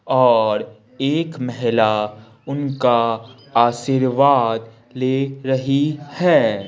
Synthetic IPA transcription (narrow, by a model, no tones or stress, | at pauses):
ɔːɾ | eːkmɛɦɪla | ʊnka | aːʃiɾʋaːd̪ | leːɾɐɦihɛː